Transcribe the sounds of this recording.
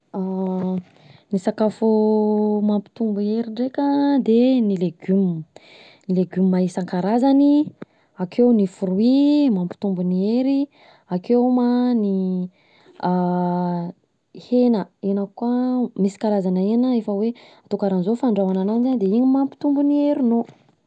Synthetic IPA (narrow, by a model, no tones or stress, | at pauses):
a | nisakafo | mampi̥t̪umbueɾiɳɖ͡ʐekʲəd̪enileɡym | nileɡumimaisaŋkaɾazani | akʰewnifuɾuimampi̥t̪umbunieɾi | akemani | a | henəenakamisi̥kaɾazanəeanəefəweat̪ukaɾanzofaɳɖ͡ʐawanananzand̪eiɲimampi̥t̪umbunieɾino